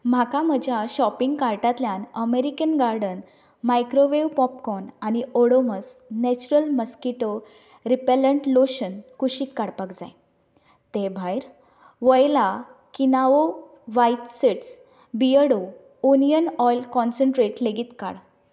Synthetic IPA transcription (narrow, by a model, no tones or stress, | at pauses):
m̤akaməd͡ʑʱjaɕɔpiŋɡkaɾʈat̪ljanəmeɾikənɡaɾɖən | majkɾoʋeʋpɔp̚kɔnañioɽoməsnɛt͡ɕuɾəlməskiʈo | ɾipeləɳʈloɕənkuɕiːk̪kaɽpakd͡za̰j | t̪ebʱajɾ | ʋəjlakinaʋo | ʋait̪seʈs | biəɽo | onijənɔjlkɔnsəɳʈɾeʈleɡiːt̪ka̰ɽ